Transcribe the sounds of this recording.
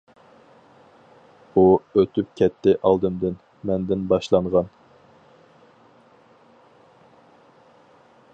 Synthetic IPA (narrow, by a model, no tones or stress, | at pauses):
uøt̪ʰyp̚kʲʰɛt̪ʰːɪʔɑlˠd̪ɨmd̪ɪn | mɛnd̪ɪnbɑʃlˠɑɴʁɑn